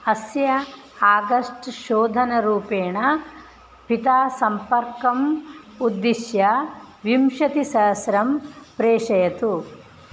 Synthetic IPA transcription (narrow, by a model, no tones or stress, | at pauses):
ɐsjɐ | aːɡɐʂʈʃoːd̪ʱɐnɐɾuːpeːɳɐ | pit̪aːsɐmpɐɾkɐm | ud̪ːiʃjɐ | ʋimʃɐt̪isɐɦsɾɐmpɾeːʂɐjɐt̪u